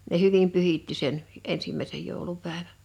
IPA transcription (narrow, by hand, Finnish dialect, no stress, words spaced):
ne hyʋim pyhitːi sen ensimːæˑesej joˑulupæˑeʋæ